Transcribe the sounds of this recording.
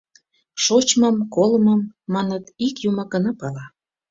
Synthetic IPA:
ʃot͡ɕməmkolməmːɑnət̪ikjuməkənəpɑlɑ

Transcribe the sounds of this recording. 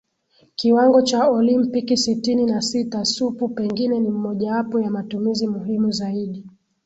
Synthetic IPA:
kiwaŋɡɔt͡ʃaɔlimpikisitininasitasupupɛŋɡinɛnim̩mɔʄawapɔjamatumizimuɦimuzaiɗi

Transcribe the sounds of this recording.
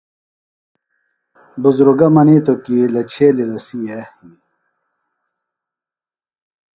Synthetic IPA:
buzɾuɡɐmɐnit̪ʰokilɐt͡ɕʰeːlilɐsiehi

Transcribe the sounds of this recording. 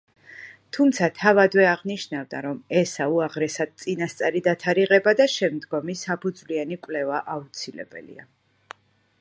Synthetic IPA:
t̪ʰumt̪sʰat̪ʰavad̪vɛaʁniʃnavd̪a̰ɾɔmɛsauaʁɾɛsad̪̥̚t̪sʼinast̪sʼaɾid̪at̪ʰaɾiʁɛbad̪aʃɛmd̪ɡɔmisapʰud̪zvlianikʼwlɛvaʔaut̪sʰilɛ̰bɛ̰lḭa

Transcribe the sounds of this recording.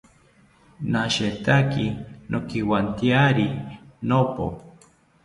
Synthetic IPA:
naʃet̪akinʔokiwant̪iaɾinopo̰

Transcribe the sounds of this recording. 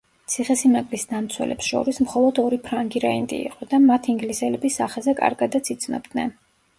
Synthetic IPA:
t̪sʰiχɛsimakʼlisd̪amt̪sʰwɛ̰lɛ̰psʃɔ̰ɾismχɔlˠɔd̪ɔɾipʰɾaŋɡiɾaind̪ʼḭḭqʼɔd̪amat̪ʰiːŋɡlisɛlɛbisːa̰χɛzɛkʼa̰ɾɡad̪at̪sʰit̪sʰnɔ̰b̚d̪nɛ̰n

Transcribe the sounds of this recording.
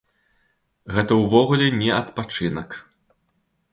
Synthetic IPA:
ɣɛt̪ɐwvɔɣulʲɛnʲɛɐt̪pat͡ʂɨnɐk

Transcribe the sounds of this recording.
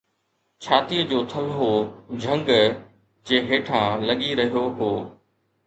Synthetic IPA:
t͡ɕʰaːt̪iːəd͡ʑoːt̪ʰɐlɦod͡ʑʱɐ̃ŋɡ | d͡ʑeːɦeːʈʰãːlɐɠiɾɐɦijoɦoː

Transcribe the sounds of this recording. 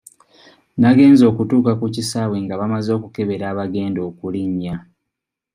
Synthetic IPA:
naɡe̞ːnzo̞ːkutuːkakucisaːβweŋɡaβamazo̞ːkuke̞βe̞ɾaːβaɡe̞ːndo̞ːkuliɲːa

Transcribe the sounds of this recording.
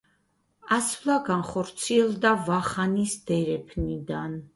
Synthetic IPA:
ɑsvlaɡɑnχɔɾt͡sʰiɛld̪avɑχɑnisd̪ɛɾɛpʰnid̪ɑn

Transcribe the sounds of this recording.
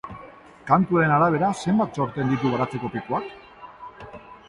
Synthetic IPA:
kant̪uaɾe̞naɾaβ̞e̞ɾase̞mbat̪so̞ɾt̪e̞nd̪it̪̬uɣaɾat͡se̞ko̞pipuak

